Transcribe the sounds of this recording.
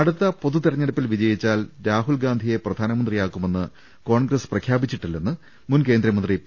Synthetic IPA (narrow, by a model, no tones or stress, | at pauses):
ɐɽut̪ːɐpo̞ðut̪iɾɐɲːeɽupːilʋid͡ʑɐjit͡ɕːaːlɾaːɦulɡaːnd̪ʱije̞prɐd̪ʱaːnɐmɐnd̪rijaːkːume̞nːɨ | ko̞ːɳɡrɐsprɐkʰjaːbit͡ɕːiʈːilːenːɨ | munke̞ːnd̪ɾɐmɐndri